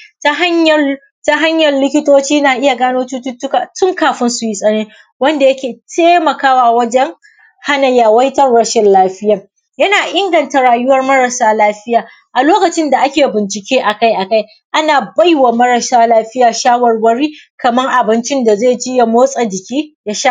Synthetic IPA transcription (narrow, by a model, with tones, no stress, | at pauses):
ta˦a˦ɲɐ˨ | ta˦ɦa˦ɲjɐ˨rlɪ˦kʲɪ˦toː˦t͡ʃiː˦naː˨ʔɪ˦ja˨ɡaː˦noː˦tu˦tʊ˦tʊ˦ka˨tʊ˦ŋkaː˨ɸɪ˦nsu˨ji˦sʼɐ˦neː˦ | wɐ˦nda˨jɐ˦kʲeː˨tʰeː˦mɐ˨kaː˦wa˨wɐ˦d͡ʒɛ˦ŋ | ha˦nɐ˨jaː˨wɐ˦jtɐ˦rɽɐ˦ʃɪ˨nlaː˦ɸɪ˦ja˨ | jɐ˦naː˨ʔɪ˦ŋɡɐ˨nta˨ɽaː˨jʊ˦wɐ˦rmɐ˦ɽɐ˨saː˦laː˦ɸɪ˦jaː˨ | ʔa˨loː˦kɐ˨t͡ʃɪ˦nda˨ʔa˦kʲeː˨bɪ˨nt͡ʃɪ˨kʲeː˦ʔa˨ka˦jʔa˨ka˦j | ʔa˦naː˨ba˦jwaː˨mɐ˦ɽɐ˨saː˦laː˦ɸɪ˦jaː˨ʃaː˦wɐ˨rwɐ˦ɽiː˦kɐ˨mɐ˦ŋʔa˨bɪ˦nt͡ʃɪ˦nda˨zeː˦˨d͡ʒɪ˦ja˨moː˦sʼɐ˨d͡ʒɪ˨kʲiː˦ja˦ʃaː˦